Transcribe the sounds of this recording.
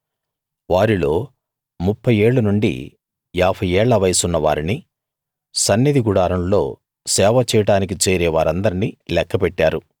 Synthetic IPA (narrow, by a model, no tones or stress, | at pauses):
ʋaːɾilo̞ː | mupʰːɐje̞ːɭːunuɳɖḭ | aːpʰɐjɛːɭːɐʋɐjɐsunːɐʋaːɾini | sɐnːid̪iɡuɽaːɾɐmlo̞ː | sɛːʋɐt͡ʃɛːjɐʈaːnik̬it͡ʃeːɾɛːʋaːɾɐnd̪ɐɾinilɛkːɐpɛʈːaːɾu